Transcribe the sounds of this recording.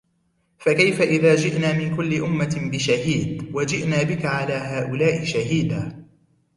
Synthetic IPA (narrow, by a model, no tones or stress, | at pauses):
fakajfaʔɪðaːd͡ʒɪʔnaːmɪnkʊlːɪʔʊmːabɪʃahiːd̪wad͡ʒɪʔnaːbɪkaʕalaːɦaːʔʊlaːʔɪʃaɦiːd̪aː